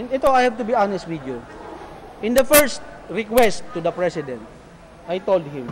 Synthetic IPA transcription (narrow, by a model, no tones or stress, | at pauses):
ɛnɛt̪oajhav̚t̪ʊbianɛst̪̚wɪd̪ju | ʔɪ̃nd̪ɐfɛɹst̪̚ɹɪkwɛst̪ːud̪ɐpɹɛsɪd̪ɛ̃nt̪̚ | ʔajt̪old̪̚hɪ̃m